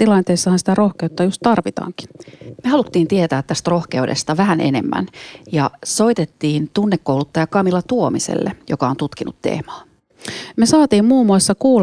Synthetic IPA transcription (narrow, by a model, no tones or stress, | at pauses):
t̪ilɑnt̪eːsːɑhɑnsi̥t̪ærohkeut̪ːɑjust̪t̪ɑrʋit̪ɑ̰ːŋki̥mehɑlut̪ːiːnt̪iet̪æːt̪ːæst̪ro̞hke̞udḛst̪ɑʋæhænʔe̞̰nḛmːæ̰njɑso̞jt̪et̪ːiːnt̪unːekːowlut̪ːɑjɑkɑmilɑt̪uomisḛlːejo̞kɑo̞nt̪ut̪kinut̪ːḛːmɑː | mesɑːt̪iːmmuːmːuoˑsːɑkuːl